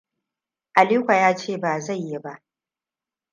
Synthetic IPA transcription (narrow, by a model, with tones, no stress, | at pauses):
ʔa˨liː˦kʷa˨jaː˦t͡ʃeː˦˨baː˨za˦˨jːe˦ba˦ʔ